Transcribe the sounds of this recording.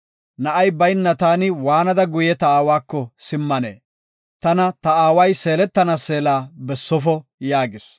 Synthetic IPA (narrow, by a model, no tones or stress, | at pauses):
nɐʔɐjbɐjnːɐt̪aːnɪwaːnɐd̪ɐɡʊjɛt̪ɐaːwaːkːɔsɪmːɐnḛː | t̪ɐnɐt̪ɐaːwɐjse̞ːlɛt̪ːɐnɐse̞ːlaːbɛsːɔfɔjaːɡɪs